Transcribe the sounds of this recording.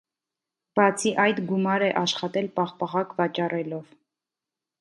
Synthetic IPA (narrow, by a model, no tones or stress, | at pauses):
b̥ɑt͡sʰiʔɑjd̪ɡumɑɾɛʔɑʃχɑt̪ɛlpɑχpɑʁɑkvɑt͡ʃɑrɛlɔv